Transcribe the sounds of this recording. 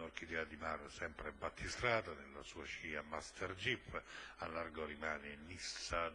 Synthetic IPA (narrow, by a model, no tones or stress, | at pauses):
ɔrkid̪ɛad̪imarsɛmpɾebat̪ʰːist̪ɾaːt̪anelːa̰suːat͡ʃiːamast̪ʰɛrd͡ʒipːalːarɡoɾimaːninisːa